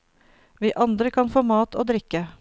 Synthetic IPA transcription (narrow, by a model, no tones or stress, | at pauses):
ʋiːʔɑnd̪ɾəkʰɑnfoːmɑːt̪ʰo̰ːd̪ɾɪkə